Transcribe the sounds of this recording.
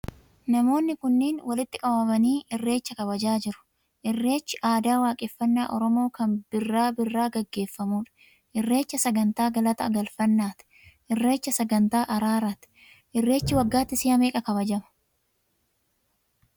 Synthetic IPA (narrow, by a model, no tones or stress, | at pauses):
nɐmo̞ːnːɪkʊnːeːnwɐlɪt̪ːɪkʼɐbɐmɐniːʔɪrːe̞ːt͡ʃːɐkɐβɐd͡ʒaːd͡ʒɪɾʊ̥ | ʔɪrːe̞ːt͡ʃːɪʔaːd̪aːwaːkʼɛfːɐnːaːʔɔɾɔmo̞ːkɐnb̥ɪrːaːbɪrːaːɡɐɡːe̞ːfːɐmuːᶑɐ̥ | ʔɪrːe̞ːt͡ʃːɐsɐɡɐnt̪aːɡɐlɐt̪ɐʔɐɡɐlfɐnːaːt̪ɪ̥ | ʔɪrːe̞ːt͡ʃːɐsɐɡɐnt̪aːʔɐɾaːɾaːt̪ɪ̥ | ʔɪrːe̞ːt͡ʃːɪwɐɡːaːt̪ːɪsiːɐmeːkʼɐkɐβɐd͡ʒɐmɐ̥